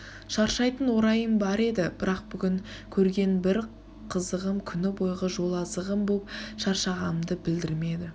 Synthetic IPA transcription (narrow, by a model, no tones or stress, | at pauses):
ʃɑɾʃɑjt̪ənwo̞ɾɑjəmbɑɾe̞d̪ɪbɪɾɑq̚bʏɡʲɪŋkʲʰɵɾɡʲe̞nbɪɾ | qʰəzəʁəmkʲʰʏnɪbo̞jʁəʒo̞lˠɑzəʁəmbopʃɑɾʃɑʁɑnəmd̪əbɪld̪ɪɾme̞d̪ɪ